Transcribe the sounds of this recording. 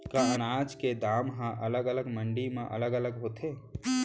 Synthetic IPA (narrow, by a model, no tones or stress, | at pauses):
kaənaːd͡ʒked̪aːmɦãʔələɡələɡməɳɖimẽʔə̰ləɡələɡɦoːt̪ʰeː